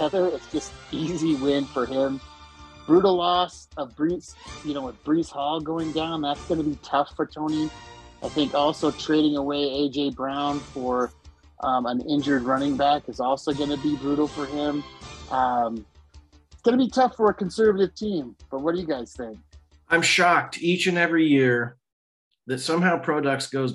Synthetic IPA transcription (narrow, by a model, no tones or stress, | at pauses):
ɛðə˞ɪtsd̥ʒ̥ʌst̚iziwɪ̃n̥fə˞ɪ̃m | b̥ɹuɾl̩ˠɔsʌbɹisjɨnoʊəðb̥ɹishɔlˠɡoʊɪ̃ŋdãʊ̃nðætsɡ̥ʌnɨbitʰʌfə˞tʰõʊ̃ñiaɪθɪ̃ŋkɔlˠsoʊtʰɹ̥eɪɾɪ̃ŋəweɪeɪd͡ʒeɪbɹãʊ̃nfə˞ | ʔʌ̃mə̃nɪ̃nd͡ʒə˞d̚ɹʌñɪ̃ŋbækɨzɔlˠsoʊɡʌnɨbibɹuɾl̩ˠfə˞ɪ̃mʔʌ̃m | ɪtsɡ̥ʌnɨbitʰʌfə˞ɨkʰɨ̃n̩sɜ˞vəɾɨv̥tʰĩmb̥ʌt̚wʌɾəjɨɡaɪz̥θɪ̃ŋk̚ | ʔãɪ̃mʃɑk̚tʰit͡ʃɨ̃nɛvɹijɪɹ | ðɨtsʌ̃mɦaʊpʰɹ̥ɑɾʌk̚tsɡ̥oʊz